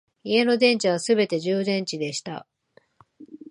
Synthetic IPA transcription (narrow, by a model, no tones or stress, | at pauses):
ie̞no̞d̪ẽ̞ɲ̟t͡ɕiβ̞asɨbe̞t̪e̞ʑɨːd̪ẽ̞ɲ̟t͡ɕid̪e̞ɕi̥t̪a̰